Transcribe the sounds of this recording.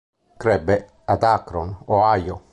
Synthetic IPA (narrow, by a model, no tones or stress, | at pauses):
kɾɛbe | ad̪akɾɔnoajo